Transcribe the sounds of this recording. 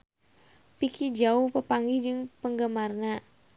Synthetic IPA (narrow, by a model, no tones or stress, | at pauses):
pikʰid͡ʒauhpəpaŋɡid͡ʒɨŋpəŋɡəmarna